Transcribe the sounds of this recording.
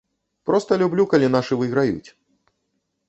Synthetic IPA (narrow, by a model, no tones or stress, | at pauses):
pɾɔst̪ɐlʲublʲukalʲinaʂɨvɨɣɾajṵt͡sʲ